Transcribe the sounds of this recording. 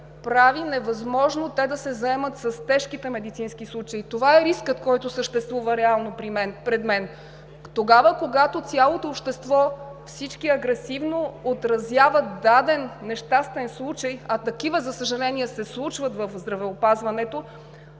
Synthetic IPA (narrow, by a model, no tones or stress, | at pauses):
pɾavinɛvɐzmɔʒnot̪ɛd̪ɐsɛzɐɛmət̪sɐst̪ɛʃkit̪ɛmɛd̪it̪sinskislˠut͡ʃɐit̪ovaɛɾiskət̪kɔjt̪osəʃt̪ɛst̪vuvɐɾɛalˠnopɾimɛnpɾɛd̪mɛn | t̪oɡavəkoɡat̪ot̪sʲjalˠot̪oːpʃt̪ɛst̪vɔfsit͡ʃkiɐɡɾɛsivnoot̪ɾɐzjavət̪̚d̪ad̪ɛnːɛʃt̪ast̪vɛnslˠut͡ʃəjɐt̪ɐkivəzɐsəʒɐlɛniɛsɛslˠut͡ʃvət̪vɐfzd̪ɾɐvɛopazvɐnɛt̪o